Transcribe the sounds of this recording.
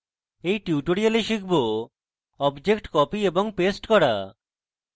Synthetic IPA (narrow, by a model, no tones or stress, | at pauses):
ejʈiuʈoɾialeʃikʰbo | ɔbd͡ʑekʈkɔpieboŋpesʈkɔɾa̰